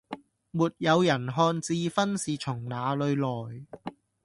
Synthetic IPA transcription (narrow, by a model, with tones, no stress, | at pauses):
muː˨˩t̚jɐ˨˧wjɐ˨˩nɦɔː˧nt͡siː˧fɐ˥nsiː˨t͡ʃʰʊ˨˩ŋnaː˨˧lɵ˨˧ɥlɔː˨˩j